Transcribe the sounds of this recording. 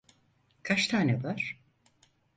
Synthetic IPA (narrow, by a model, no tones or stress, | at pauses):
kʰat͡ʃt̪ʰaːnɛbaɾ̥